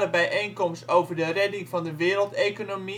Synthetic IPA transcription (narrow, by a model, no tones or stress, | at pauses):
əbɛjʔejnkɔmstowvərdərɛdɪŋvɑndəʋɪːɾəlˠtejkonomi